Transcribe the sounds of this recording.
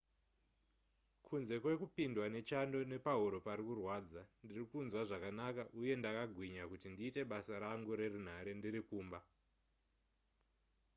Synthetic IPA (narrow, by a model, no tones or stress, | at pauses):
kʰunze̞kwe̞kupindwane̞t͡ʃando̞ne̞paɦuɾo̞paɾikurwaːd͡zandirikunzwaʐakanakaʔuje̞ndakaɡʱwiɲakutindiːte̞ɓasaɾaŋɡuɾe̞run̤aɾe̞ndiɾikuːmba